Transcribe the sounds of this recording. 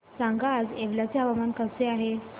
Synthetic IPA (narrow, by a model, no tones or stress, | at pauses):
sãŋɡaːd͡zeʋljat͡seɦaʋamankəseaɦe